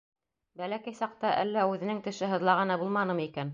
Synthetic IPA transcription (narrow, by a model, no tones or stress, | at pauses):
bælækæjsɑq̚t̪ɑʔælːæʉðɘ̆nɘŋt̪ɘ̆ʃɘɦɤ̆ðlˠɑʁɤnɑbulˠmɑnɤmikæn